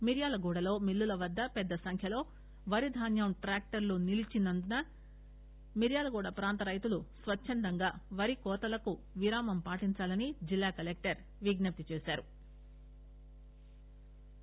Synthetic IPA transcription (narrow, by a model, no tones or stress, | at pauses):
miɾjaːlɐɡuːɽɐlo̞ːmilːulɐʋɐd̪ːɐpɛd̪ːɐsɐŋkʰjɐlo̞ː | ʋɐɾid̪ʱaːnjɐmʈɾaːk̚ʈɐɾlunilit͡ʃinɐnd̪unɐ | miɾjaːlɐɡuːɽɐpɾaːnt̪ɐɾɐjt̪ulusʋɐt͡ʃːʃʰːɐnd̪ɐŋɡaːʋɐɾikɔːt̪ɐlɐku | ʋiɾaːmɐmpaːʈiɲt͡ʃaːlɐnid͡ʒilːaːkɐlek̚ʈɐɾ | ʋiɡnɐp̚t̪it͡ʃeːsaːɾu